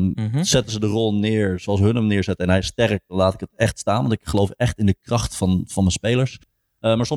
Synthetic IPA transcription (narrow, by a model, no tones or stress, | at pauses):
z̥ɛtənzədərɔlˠnɪːɹzoɑlˠsəɦənəmnɪːɹzɛtəɛnɦɛjstɛrk̚laːtɪ̥kətɛχtstaːnʋɑntɪkχəlowfɛχtɪndəkrɑχtfɑnvɑnməspejləɹs | əmaːɹsɔ